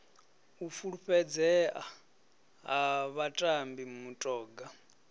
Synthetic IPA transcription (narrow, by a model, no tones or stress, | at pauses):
ufuɺuɸɛd͡zɛʔa | ɦaβatʼambimutʼɔːɡa